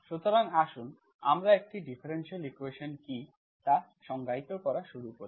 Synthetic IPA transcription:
ʃut̪oɾaŋaʃun | a̰mɾaek̚ʈiɖifʰaɾenʃalikueʃonki | t̪a | ʃɔŋɡʱait̪okɔɾaʃuɾukoɾi

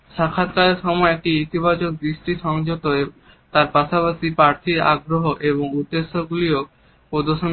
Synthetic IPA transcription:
ʃakʰːat̪̚kaleɾʃɔmɔeɛk̚ʈiit̪ibat͡ɕok̚d̪ɾiʃʈiʃɔŋd͡ʑot̪o | t̪aɾpaʃapaʃipɾaɾt̪ʰiɾa̰ɡɾoɦoʔeβoŋud̪ːeʃːoɡulio | pod̪oʃon

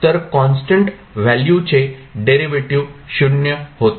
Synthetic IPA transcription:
t̪əɾkɔnsʈəɳʈ | ʋæljut͡ɕeɖeɾiʋeʈiʋɕunjəhot̪

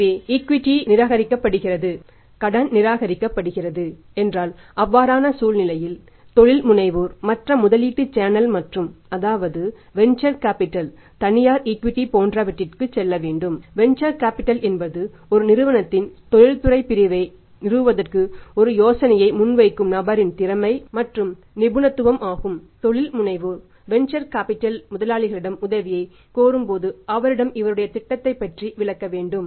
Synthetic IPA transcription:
eːɪkʋɪʈːinɪɾaːɣɐɾɪkːɐpːɐɽɯɣɪrɐðɯ | kɐɽɐnnɪɾaːɣɐɾɪkːɐpːɐɽɯɣɪrɐðɯ | ɛndraːlʔɐʋːaːɾaːnɐsuːlnɪlɐjɪl | t̪ɔɻɪlmʊnɐɪʋuːɾmɐʈrɐmʊðɐliːʈːɯt͡ʃːaːnɐlmɐʈrɯmɐðaːʋɐðɯ | ʋɛnt͡ʃɐɾkaːpɪʈːɐl | t̪ɐnɪjaːɾɪkʋɪʈːipoːndrɐʋɐʈːɪrkɯt͡ʃɛlːɐʋeːɳɖɯmʋɛnt͡ʃɐɾkaːpɪʈːɐlɛnbɐðɯ | ɔɾɯnɪɾɯʋɐnɐt̪ːɪnt̪ɔɻɪlt̪ʊɾɐɪpɪɾɪʋɐɪ | nɪɾɯʋɯʋɐðɐrkɯɔɾɯjoːsɐnɐjɐɪmʊnʋɐɪkːɯmnɐbɐɾɪnt̪ɪɾɐmɐɪmɐʈrɯm | nɪbɯnɐt̪ːɯʋɐmʔaːɣɯmt̪ɔɭɪlmʊɳɐɪʋɯ | ʋɛnt͡ʃɐɾkaːpɪʈːɐlmʊðɐlaːɭɪɣɐɭɪɽɐmʊðɐʋɪjɐɪ | koːɾɯmpoːðɯɐʋɐɾɪɽɐmɪʋɐɾɯɽɐjɐt̪ɪʈːɐt̪ːɐɪpːɐʈriʋɪɭɐkːɐʋeːɳɖɯm

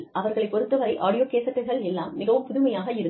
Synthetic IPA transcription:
ʔɐʋɐɾɣɐɭɐɪpːɔɾɯt̪ːɯʋɐɾɐɪʔa̰ːɽɪjoːkeːsɐkːɐɾɣɐɭɛlːaːmːɪɣɐʋɯmpʊðɯmɐjaːɣɐɪɾɯ

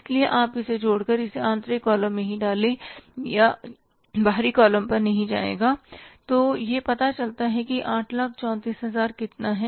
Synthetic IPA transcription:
slieʔaːpɪsed͡ʒoːɽkɐɾɪseãːnt̪ɾekɔːlə̃mmẽɦĩɖaːlẽja | baːɦɾikɔːlə̃mpɐɾnɐɦĩd͡ʒa̰ːḛːɡaːt̪oːjepɐt̪at͡ʃɐlt̪aɦɛkiʔãːʈʰlak̚ʰt͡ʃɔ̃ːt̪iːsɦɐzaːɾkɪt̪naɦɛ

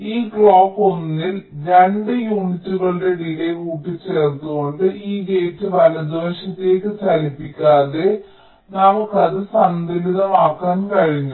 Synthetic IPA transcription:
iːɡɭoːkːonːilɾe̞ɳɖɨjuːnitːuɣɐɭɨɽe̞ɽiːle̞kuːpːit͡ɕːe̞ːrt̪ːuɣo̞ɳɖɨʔiːɡe̞ːtːɨʋɐlɐd̪oːʂit̪ːe̞ːkːɨsɐlipːikʲːaːðe̞ | nɐmukːɐðɨsɐnd̪iliðɐmaːkːaːnkɐɻiɲːu

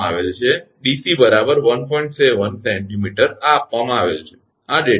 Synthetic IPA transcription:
aʋelt͡ʃʰe | ɖisibəɾabəɾʋənpɔiɳʈseʋənsɛ̃ɳʈimiʈəɾaːpʋamãaʋḛlt͡ʃʰe̥ | aɖe

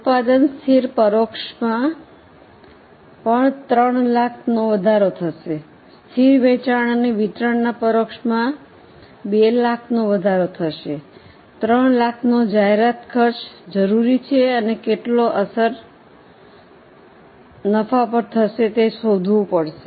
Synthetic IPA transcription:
ut̪̚pad̪ənst̪ʰiɾpəɾokʃmã | pəɳt̪ɾəɳlakʰnoʋəd̪ʱaɾot̪ʰəʃe | st̪ʰiɾʋɛ̃t͡ʃaɳ̃əneʋit̪ɾəɳnapəɾokʃmã | belakʰnõʋəd̪ʱaɾot̪ʰəʃe | t̪ɾəɳlakʰnod͡ʒaɦeɾat̪kʰəɾʃd͡ʒəɾuɾit͡ʃʰeənekeʈloʔəsəɾ | nəfapəɾt̪ʰəʃet̪esod̪ʱʋõpəɽʃe

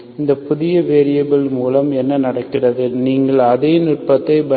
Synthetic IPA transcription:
ɪnd̪ɐpʊðɪjɐʋeːɾɪjɐbɪlmuːlɐmɛnːɐnɐɽɐkːɪrɐðɯniːŋɡɐɭɐðeːnɪrpɐt̪ːɐɪbɐ

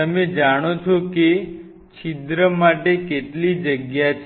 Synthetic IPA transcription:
əmed͡ʒaɽ̃ot͡ʃʰoke | t͡ʃʰid̪ɾəmaʈekeʈlid͡ʒəɡjat͡ʃʰ

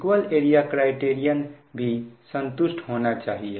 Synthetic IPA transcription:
kwəleɾijakɾaɪʈeɾijənbʱisənt̪usʈʰɦonat͡ʃaɦie

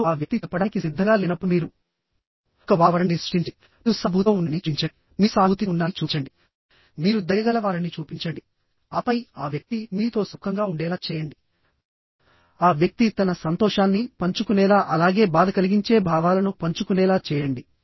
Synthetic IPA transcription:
aːʋjɐk̚t̪iɐpːɐɽaːnkisid̪ʱːɐŋɡaːlinɐpːumiːɾu | kːɐʋaːʋɐɾɐnnisʂʈiɲt͡ʃi | usɐbʱut̪oːunːɐnit͡ʃiɲt͡ʃɐ | miːsaːbt̪iunːaːt͡ʃuːt͡ʃɐɳɖi | miːɾud̪ɐjɐɡɐlɐʋaːɾɐnit͡ʃuːpiɲt͡ʃɐɳɖi | ɐpɐjaːʋjɐk̚t̪imiːt̪o̞ːsukʰːɐŋɡaːuɳɖɛːlaːt͡ʃɛːjɐɳɖi | aːʋjɐk̚t̪it̪ɐnɐsɐnt̪ɔːʃaːnːipɐɲt͡ʃukunɛːlaːʔɐlaːɡe̞ːbaːd̪ʱɐkɐliɡiɲt͡ʃe̞ːbʱaːʋaːlɐnupɐɲt͡ʃukunɛːlaːt͡ʃɛːjɐɳɖi

